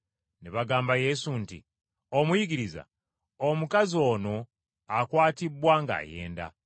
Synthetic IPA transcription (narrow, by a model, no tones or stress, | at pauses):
neβaɡaːmbaje̞suntḭ | omujiɡiɾiza̰ | omukazio̞ːno̞ | akwaːtibːwaŋɡa̰ːje̞̰ːnda̰